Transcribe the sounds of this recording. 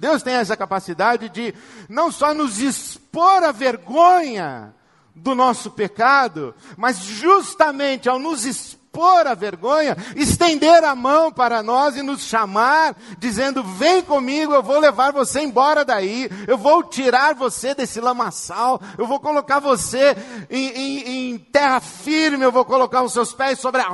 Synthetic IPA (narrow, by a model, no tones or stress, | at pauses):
d̪ewst̪ẽj̃ɛsɐkapasid̪ad͡ʒɪd͡ʒɪ | nɐ̃w̃sɔnʊzispoɾɐveɾɡõɲɐ | d̪ʊnɔsʊpekad̪ʊ̰mɐzʒust̪ɐmẽnt͡ʃɪawnʊzispoɾɐveɾɡõɲɐɪst̪ẽnd̪eɾɐmɐ̃w̃paɾɐnɔzɪnʊsʃamaɾd͡ʒizẽnd̪ʊvẽj̃kõmiɡʊewvowlevaɾvoseẽj̃bɔɾɐd̪aiewvowt͡ʃiɾaɾvosed̪esɪlɐ̃masaw | ewvowkolokaɾvoseẽj̃ẽj̃ẽj̃t̪ɛhɐfiɾmɪewvowkolokaɾʊsewspɛjsobɾɪa